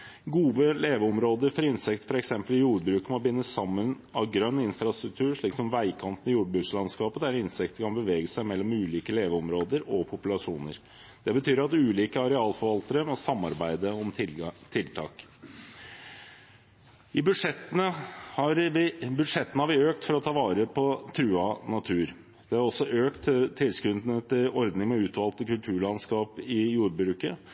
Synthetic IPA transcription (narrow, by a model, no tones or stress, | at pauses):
ɡuːʋəleːʋəɔmɾoːd̪əɾfɔɾɪnsɛkt̪ə̥fɔɾɛksɛmpəlɪjuːɖbɾʉːkmɔbɪnːəsɑmːən | ɑʋɡɾœnːɪnfɾɑst̪ɾʉk̚t̪ʰʉːʂɭiːksɔmʋæɪkʰɑnt̪ənɪjuːɖbɾʉːkslɑnskɑːpəd̪æɾɪnsɛkt̪əkʰɑnbəʋeːɡəsæɪmɛlːɔmʉːliːkəleːʋəɔmɾoːd̪əɾɔpʰʊpʉlɑʂuːnə̰ɾ | d̪ɛbət̪ʰyːɾɑt̪ʉːliːkəɑɾɛɑːlfɔɾʋɑlt̪əɾəmɔsɑmːɑɾbæɪd̪əɔmt̪ʰɪlt̪ʰɑ̰ːk | ɪbʉʂɛt̪ːənəhɑɾbʉd̪ʂɛt̪ːənəhɑɾʋɪøːk̚t̪fɔɾɔt̪ʰɑːʋɑːɾəpʰɔt̪ʰɾʉːɑnɑt̪ʰʉːɾ | d̪̥ɛɑɾɔsːɔʔøːkt̪t̪ʰːɪlskɾʉnd̪ənət̪ɪlɔɾd̪nɪŋmɔʉːt̪ʋɑlt̪əkʉlt̪ʰʉːɾɭɑnskɑːpɪjuːɾbɾʉːkə